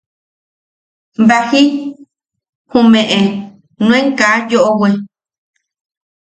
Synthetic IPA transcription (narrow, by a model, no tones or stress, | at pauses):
bahi | hũmẽʔẽ | nũẽŋkajoʔowe